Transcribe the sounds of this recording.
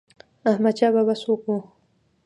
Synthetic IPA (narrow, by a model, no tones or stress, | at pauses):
ahmad̪t͡ʃababasoku